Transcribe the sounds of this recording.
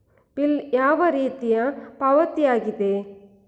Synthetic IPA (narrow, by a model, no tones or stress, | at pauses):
piljaːʋɐɾiːt̪ijɐpɐʋɐt̪ijaːɡid̪e̞